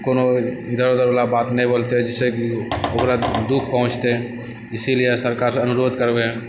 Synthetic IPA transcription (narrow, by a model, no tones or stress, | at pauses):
kono | id̪ʱəɾod̪əɾblabat̪nɛĩbolt̪ed͡ʒɛsekiokɾad̪uk̚ʰpəɦʊ̃t͡ʃt̪eɛ̃ | isilijesəɾkaɾsẽənuɾod̪kəɾbeɦɛ̃